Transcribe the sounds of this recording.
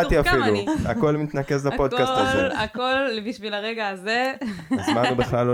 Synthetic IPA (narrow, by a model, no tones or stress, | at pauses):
t̪iafilua̰ko̞lmit̪nake̞zlapo̞d̪kasstazleakolbiʃvilaʁeɡaːzeazmanubiχlalo